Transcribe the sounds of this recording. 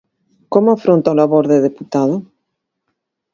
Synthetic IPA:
komʊafɾont̪aolaβoɾðeðeput̪aðʊ

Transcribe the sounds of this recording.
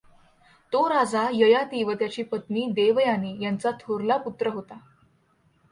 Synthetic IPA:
t̪oɾad͡zajəjat̪iʋət̪jat͡ɕiːpət̪niːd̪eʋjaniːjant͡sat̪ʰoɾlaput̪ɾəɦot̪a

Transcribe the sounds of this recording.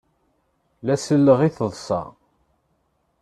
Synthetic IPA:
læsəlːəʁiθəðˤsɑ̰

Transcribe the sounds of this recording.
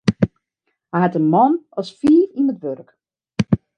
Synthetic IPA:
hɛɛtənmɔnɔsfiːfinətʋørk

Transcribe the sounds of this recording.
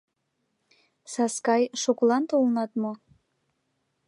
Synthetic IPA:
sɑskɑjʃuklˠɑnt̪olnɑt̪mo

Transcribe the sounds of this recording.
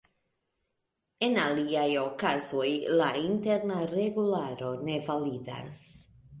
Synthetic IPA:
enaliajokazojlaint̪eɾnareɣulaɾonevaliða̰s

